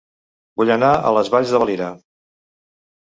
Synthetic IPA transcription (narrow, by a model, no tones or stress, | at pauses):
buʎənaə̰ləzβaʎzðəəliɾə